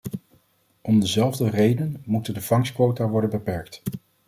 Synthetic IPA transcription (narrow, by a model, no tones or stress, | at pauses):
ɔmdəzɛlˠvdərejdənmutəndəv̥ɑŋskʋowtaːʋɔɹdənbəpɛɹkt